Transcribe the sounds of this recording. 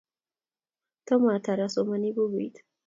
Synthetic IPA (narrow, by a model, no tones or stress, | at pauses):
t̪ʰɔmat̪ʰaɾasomanibuɡuid̪